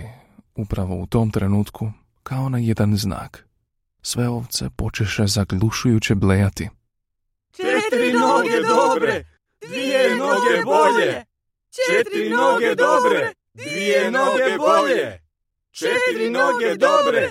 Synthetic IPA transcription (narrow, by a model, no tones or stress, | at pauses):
upɾaʋo̞̰ut̪o̞ːmt̪ɾenuːt̪kʰu | kʰao̞najed̪anzna̰ːk | sʋeo̞ʋt̪se̞̰po̞t͡ʃeʃezaɡlˠuʃujut͡ɕeblejat̪i | t͡ʃet̪ɾinoɡed̪obɾɾe | ʋiemnoɡeboʎe | eɾinoɡed̪obɾe | d̪ienoɡboʎe | t͡ʃeɾinoɡed̪obɾe